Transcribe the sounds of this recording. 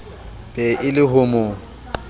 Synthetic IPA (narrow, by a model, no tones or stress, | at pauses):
b̥ɛʔɪlɪhʊmʊ